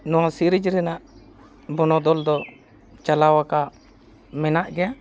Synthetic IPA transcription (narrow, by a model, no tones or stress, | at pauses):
nɔwasiɾid͡ʒɾɛnaʔ | bɔnɔd̪ɔld̪ɔ | t͡ʃalawaka | mɛnaʔɡɛja